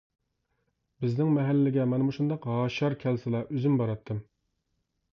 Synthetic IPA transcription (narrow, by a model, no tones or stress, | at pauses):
bɪznɪŋmɛɦælːɪɡʲɛmɛnmuʃund̪ɑqɦɑːʃɑɾkʲʰɛlsɨlˠɑʔøzymbɑɾɑt̪ʰːɨm